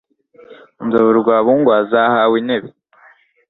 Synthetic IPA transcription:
nzaβuɾuɡwaːβuːŋɡwaːzahawineβe

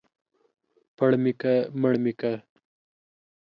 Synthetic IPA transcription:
pɐɽmikaməɽmika

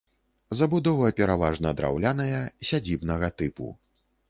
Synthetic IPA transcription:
zɐbud̪ɔvɐpʲɛɾavaʐnɐd̪ɾa̰wlʲanɐjɐsʲad͡zʲibnɐɣɐt̪ɨpṵ

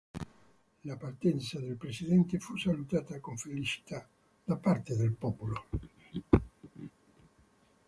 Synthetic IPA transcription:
lapart̪ɛnt̪saðelpɾesiðɛnt̪efusalut̪aːt̪akoɱfelit͡ʃi̥t̪a | d̪̥apaɾt̪ed̪elpɔpulo

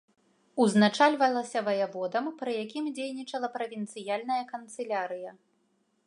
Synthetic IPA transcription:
uznat͡ʂalʲvɐlˠɐsʲɐvɐjavɔd̪ɐmpɾɨjakʲimd͡zʲejnʲit͡ʂɐlˠɐpɾɐvʲint̪sɨjalʲnɐjɐkɐnt̪sɨlʲaɾɨjɐ

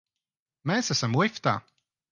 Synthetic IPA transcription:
mesæsamwift̪a̰ː

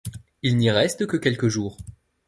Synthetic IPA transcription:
ilniʁɛst̪əkəkʲɛlkəʒuːʁ

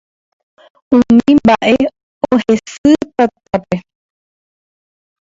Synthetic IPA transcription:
ũmĩmbaʔe̞ | ohe̞sɨt̪at̪̚ape̞

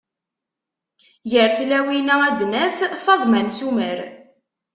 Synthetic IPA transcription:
jəɾθlæwinææd̪næffɑðˤmænsuməɾ

